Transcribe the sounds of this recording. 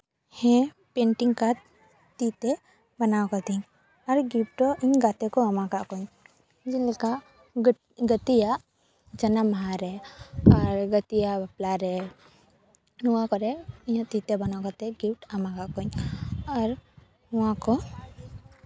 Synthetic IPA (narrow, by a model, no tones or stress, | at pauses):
hɛ̃ | peɳʈiŋɡkat̪ | t̪it̪ɛ | bənawkɔt̪iɲ | aɾɡip̚ʈɔʔiɲɡat̪ɛkɔamakaʔkɔɲ | d͡ʒilɛka | ɡət̪ijaʔ | d͡ʒənamɦaɾɛaɾɡət̪ijabaplaɾɛ | nuwakɔɾɛiɲãt̪it̪ɛbənawkat̪ɛɡipʈamakaʔkɔɲaɾ | uwakɔ